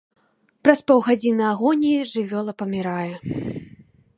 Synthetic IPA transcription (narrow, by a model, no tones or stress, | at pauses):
pɾɐspɔwɣad͡zʲinɨaɣɔnʲiʐɨvʲɔlˠɐpɐmʲiɾajɛ